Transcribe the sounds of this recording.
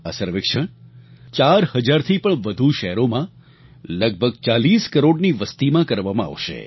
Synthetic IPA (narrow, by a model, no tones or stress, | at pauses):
əsəɾʋɪkʃəɳt͡ʃaɾhəd͡ʒaɾt̪ʰipəɳʋəd̪ʱuʃɛɦɾomã | ləɡ̚bʱəɡt͡ʃaliskəɾoɽniʋəst̪imãkəɾʋamãa̰ʋʃḛ